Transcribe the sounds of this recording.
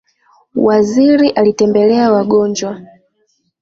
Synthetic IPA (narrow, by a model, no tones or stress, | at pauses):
waziɾiʔalitɛmbɛlɛawaɡɔnd͡ʒwa